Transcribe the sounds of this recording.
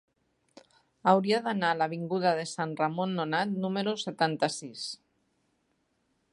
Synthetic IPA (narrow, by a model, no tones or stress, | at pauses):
awɾiaðanalaβ̞iŋɡuð̞aðesanramonːonat̪numeɾuset̪ant̪asis